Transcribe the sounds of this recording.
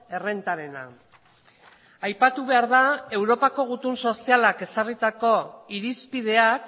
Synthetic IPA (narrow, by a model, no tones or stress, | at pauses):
e̞re̞nt̪aɾe̞na̰ | ajpat̪uβe̞aɾðae̞wɾo̞pako̞ɣ̞ut̪unso̞sialake̞sarit̪ako̞iɾispið̞e̞ak